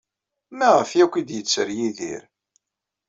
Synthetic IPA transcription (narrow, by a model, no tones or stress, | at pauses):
mæʁəfjækʷːid̪jət͡sːəɾjiðḭɾ